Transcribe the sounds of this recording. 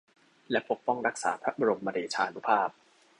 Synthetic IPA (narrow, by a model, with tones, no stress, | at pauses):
lɛ˦˥pʰo˦˥k̚pɔ˥˩ŋɾa˦˥k̚sa̰ː˩˦pʰɾa˦˥ba˧ɾo˧mːa˧ɾiː˧˩t͡ɕʰaː˧nu˦˥pʰaː˥˩p̚